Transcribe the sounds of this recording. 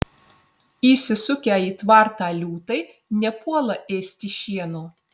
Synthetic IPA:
iːsʲɪsʊkʲæːiːt̪ʋɐɾt̪ɑːlʲuːt̪ɐɪ | nʲɛpuɔlˠɐʔeːsʲt̪ʲɪʃʲiɛnoː

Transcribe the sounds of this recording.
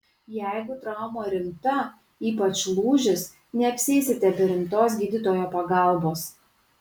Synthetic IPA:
jæˑɪɡʊt̪ɾɑˑʊmoːɾʲɪmt̪ɐ | iːpɐt͡ʃlˠuːʒʲɪs | nʲɛɐpʲsʲɪɪsʲɪt̪ʲɛbʲɛɾʲɪmt̪oːs̬ɡʲiːd̪ʲɪt̪oːjoːpɐɡɑˑlˠboːs

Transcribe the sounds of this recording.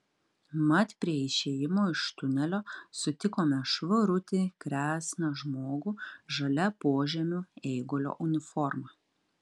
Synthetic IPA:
mɐt̪ʲpʲɾʲiɛɪʃʲeːjɪmoːɪʃt̪ʊnʲɛlʲoːsʊt̪ʲɪkoːmʲɛʃʋʊɾʊt̪ʲɪkɾʲæːsʲnɐʒmoːɡuːʒɐlʲɛpoːʒʲɛmʲʊɛɪɡoːlʲo̰ːʔʊnʲɪfɔɾmɐ

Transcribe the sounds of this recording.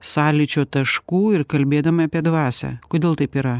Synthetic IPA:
sɑːlʲɪt͡ʃʲoːt̪ɐʃkuːɪɾkɐlʲbʲeːd̪ɐmɐɐpʲiɛd̪ʋɑːsʲɛ̰koːd̪ʲeːlˠt̪ɐɪpiːɾɐ

